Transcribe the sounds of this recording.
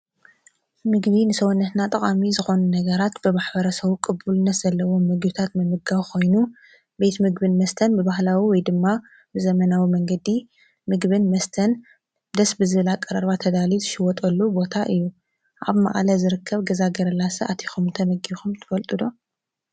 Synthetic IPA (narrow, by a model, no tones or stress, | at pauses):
mɨɡbinɨsɐwunːɐt̪nat̪ʼɐkʼamizɨxo̞nunɐɡɐɾat̪bɨmaħbɐɾɐsɐβukʼɨbulɨnːɐt̪z̥ɐlːɐwo̞mːɨɡbɨt̪ʰat̪mɨmɨɡaβkʰo̞jnu | be̞t̪mɨɡbɨnmɐst̪ʰɐnbɨbaɦlawiwɔjd̪ɨmːa | bɨzɐmɐnawimɐŋɡɐd̪i | mɨɡβɨnmɐst̪ʰɐn | d̪ɐsbɨzɨβlakʼːɐɾɐɾβat̪ʰɐd̪alizɨʃɪwɔt̪ʼɐlːubo̞t̪ʰaʔɨjːu | ʔa̰βma̰ʔʼlɐzɨɾɨkʰːɐβɡɐzaɡɐɾɐlasɐʔat̪ʰi̥xumnt̪ʰɐmɨɡixumt̪ʰɨ̥fɐlt̪ʼɨd̪o̞